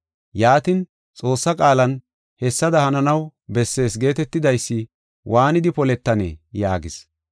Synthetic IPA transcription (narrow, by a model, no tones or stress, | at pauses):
jaːt̪ɪn | t͡sʼo̞ːsːɐkʼaːlɐn | hɛsːɐd̪ɐhɐnɐnɐwbɛsːe̞ːsɡe̞ːt̪ɛt̪ːɪd̪ɐjsːɪ | wʔaːnɪd̪ɪpɔlɛt̪ːɐnḛja̰ːɡɪs